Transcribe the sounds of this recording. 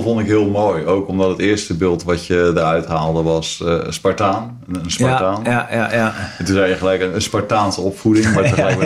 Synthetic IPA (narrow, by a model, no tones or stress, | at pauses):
fɔndɪkɦɪəlˠmoːjowkɔmdɔtətɪəstəbɪːlˠtʋɑtjədərœɥtɦaːlˠdəʋɑsspaɹtaːn | əənspataːn | ɛtuzɛjjəχəlɛjkəənspaɹtaːnsəɔpfudɪŋmaəlɛjk